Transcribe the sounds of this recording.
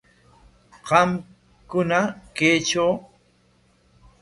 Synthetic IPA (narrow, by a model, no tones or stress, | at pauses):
qɑm | kʊnakejt͡ʃaw